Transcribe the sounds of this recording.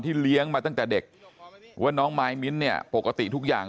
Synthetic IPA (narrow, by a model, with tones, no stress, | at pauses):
nt̪ʰiː˥˩li˦˥əŋmaː˧t̪a˥˩ŋt̪ɛː˨˩de˨˩k̚wa˦˥˩nɔː˦˥ŋmaː˧jmi˦˥t̪̚ni˥˩ɐpo˨˩kːa˧t̪ḭ˨˩t̪ʰu˦˥k̚ja̰ː˨˩ŋ